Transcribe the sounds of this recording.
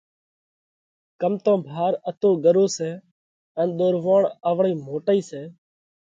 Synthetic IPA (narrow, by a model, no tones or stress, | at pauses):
kəmt̪õːbʱaːɾət̪oːɠəɾoːsɛː | ɛːnɗ̪oːɾʋãːɳəʋɳiːmoːʈəiːseː